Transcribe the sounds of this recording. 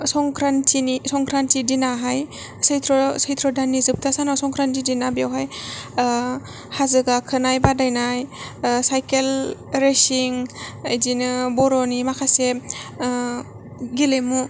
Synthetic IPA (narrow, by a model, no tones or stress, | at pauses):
sɔŋkʰɾantʰinisɔŋkʰɾantidinaɦaj | sɯjtʰɾɔsɯjt̪ʰɾɔdanizɯp̚tʰasanasɔŋkʰɾantidinabjawɦaj | hazɯɡakʰɯnajbadajnajsajkelɾesiŋajzinɯbɔɾɔnimakʰase | ɡilemu